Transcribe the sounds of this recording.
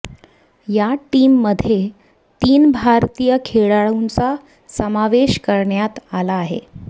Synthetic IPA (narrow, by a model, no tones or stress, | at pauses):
jaʈiːmːəd̪ʱːje | t̪iːnbʱaɾt̪iːjəkʰeɭaɭunt͡sa | səmaʋeɕkəɾɳjat̪alaːɦḛ